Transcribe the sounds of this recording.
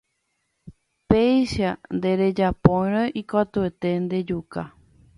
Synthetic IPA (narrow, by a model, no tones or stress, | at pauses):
pejʃand̪e̞ɾe̞d͡ʒapõjɾ̃oʔikat̪uet̪e̞nd̪e̞d͡ʒuka